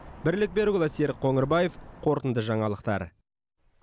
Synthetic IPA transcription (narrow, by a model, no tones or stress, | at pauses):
bɪɾlɪk̚be̞ɾɡʲʊlˠɑseɾqʰoŋəɾbaje̞fqʰo̞ɾt̪ənd̪əʒɑɴɑlˠəqt̪ɑ̰ɾ